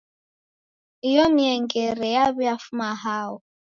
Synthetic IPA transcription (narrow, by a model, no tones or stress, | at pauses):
ijɔmiɛŋɡɛɾɛjaβiafumaɦaːwɔ